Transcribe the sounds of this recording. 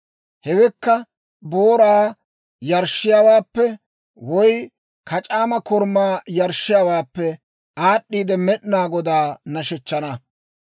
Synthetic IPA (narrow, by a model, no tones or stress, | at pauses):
hɛwɛkːɐ | boːɾaː | jɐɾʃːɪjaːwaːpːɛ | wɔj | kʰɐt͡ʃʼaːmɐkɔɾmːaːjɐɾʃːɪjaːwaːpːɛ | aːɗːiːd̪ɛmɛɗnaːɡɔd̪aːnɐʃɛt͡ʃːɐnɐ